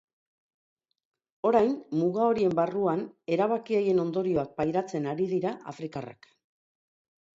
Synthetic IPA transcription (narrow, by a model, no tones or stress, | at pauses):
o̞ɾajnmuɣao̞ɾie̞mbaruane̞ɾaβ̞akiaje̞no̞nd̪o̞ɾio̞βat̚pajɾat͡se̞naɾiðiɾaʔa̰fɾikara̰k